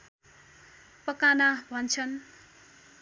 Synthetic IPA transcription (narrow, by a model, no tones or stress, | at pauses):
pʌkanabʱʌnt͡sʰʌn